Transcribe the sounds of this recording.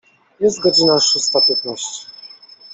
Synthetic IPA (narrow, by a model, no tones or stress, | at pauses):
jɛst̪̚ɡɔd͡ʑinaʂust̪apʲjɛt̪naɕt͡ɕ